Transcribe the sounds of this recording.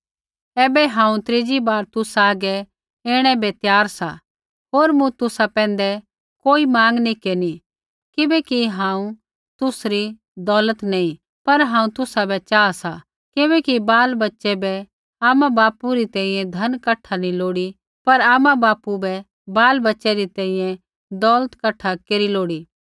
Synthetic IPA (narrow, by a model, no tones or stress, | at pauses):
ɛːbɛɦãːũt̪ɾeːd͡ʒibaːɾt̪ʊsaːɡɛ | eːɽ̃ɛbɛt̪jaːɾsa̰ | ɦoːɾmũt̪ʊsapɛ̃ːn̆d̪ɛ | koːimãːŋɡnikeːni | kɪbɛkiɦãːũ | t̪ʊsɾi | d̪ɔːlət̪nɐ̃ĩ | pɐɾɦãːũt̪ʊsabɛt͡ʃaːasa | kɪbɛkibaːlbɐtːʃɛbɛ | aːmabaːpuɾit̪ɛ̃ːĩjɛ̃d̪ʱɐnkɐʈʰːanĩloːɽi | pɐɾaːmãbaːpubɛ | baːlbɐtːʃɛɾit̪ɛ̃ːĩjɛ̃ | d̪ɔːlət̪kɐʈʰakeːɾiloːɽiː